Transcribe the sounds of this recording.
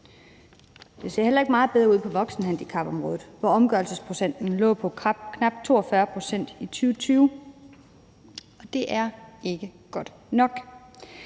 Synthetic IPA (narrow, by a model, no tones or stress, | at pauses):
d̥e̝se̝ɐ̰el̰ɐe̝ɡ̥mɑ̈ːð̩ˠb̥eðˠʁɐuð̰ˠpʰɒ̽ʋɒ̽ɡ̥sn̩ɦænd̥ikʰɑ̈b̥ɒ̽mʁɔ̽ːðð̩ˠʋɒɒ̽mɡ̥ɶɐlsəspʰʁo̝sen̰d̥n̩lɔ̰̽ːpʰɒ̥̽kʰnɑ̈b̥̚t͡sʰo̝̰ːɒfɶɐpʰʁo̝sen̰d̥it͡sʰyːʊt͡sʰyːʊ | ɒ̽d̥e̝ʔæɐe̝ɡ̥əɡ̥ɒ̽d̥ | nɒ̽ɡ̥